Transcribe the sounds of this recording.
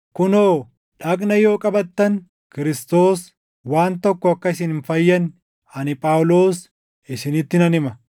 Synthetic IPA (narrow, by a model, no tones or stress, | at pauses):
kʊnoː | ᶑɐkʼnɐjo̞ːkʼɐbɐt̪ːɐn | kɪɾɪst̪o̞ːs | waːnt̪ɔkːɔɐkːɐɪs̬ɪnɪnfɐjːɐn | ɐnɪpʼaːwlo̞ːs | ɪsɪnɪt̪ːɪnɐnɪmɐ